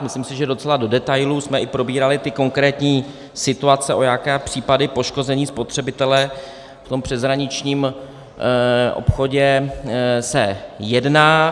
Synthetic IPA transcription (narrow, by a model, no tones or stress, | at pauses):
mɪslimsɪʒɛdo̞t͡sɛlado̞dɛt̪ajlusmɛʔɪpɾo̞biːɾalɪt̪ɪko̞ŋkɾɛːt̪ɲiː | sɪt̪uat͡sɛʔo̞jakɛːpr̥iːpadɪpo̞ʃko̞zɛɲiːspo̞t̪r̥ɛbɪt̪ɛlɛ | ft̪o̞mpr̥ɛzɦɾaɲɪt͡ʃɲiːm | ʔo̰pxo̞ɟɛ | sɛjɛdnaː